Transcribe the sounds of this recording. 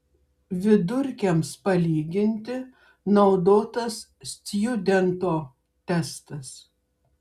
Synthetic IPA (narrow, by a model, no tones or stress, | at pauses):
ʋʲɪd̪ʊɾʲkʲɛmspɐlʲiːɡʲɪnʲt̪ʲɪ | nɒʊd̪oːt̪ɐs | sʲt̪ʲjʊd̪ʲɛnt̪oː | t̪ʲɛst̪ɐs